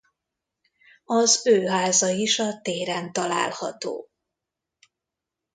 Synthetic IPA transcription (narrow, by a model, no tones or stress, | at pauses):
ɒzøːɦaːzɒiʃɒt̪eːɾɛnt̪ɒla̰ːlhɒ̰t̪o̰ː